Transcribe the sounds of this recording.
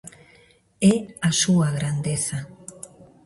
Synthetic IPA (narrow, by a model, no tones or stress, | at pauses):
ɛasuaɣɾand̪eθa